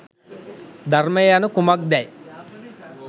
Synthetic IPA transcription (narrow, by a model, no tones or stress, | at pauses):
d̪ʱarməjjanəkumak̚d̪ɛj